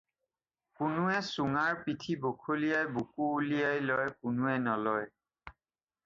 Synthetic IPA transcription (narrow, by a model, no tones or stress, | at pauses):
kʊnʊɛsuŋaɹpitʰibokʰolijajbukuːlijajlɔjkʊnuɛnɔlɔj